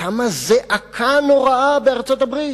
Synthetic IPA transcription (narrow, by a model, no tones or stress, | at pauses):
amazeʔakʰanoʁaabeaʁt͡sot̪abʁit